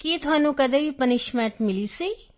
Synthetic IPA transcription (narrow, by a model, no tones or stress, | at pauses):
kit̪ʊaːnũːkɐd̪ẽʋipənɪʃmɛːʈmɪliːsiː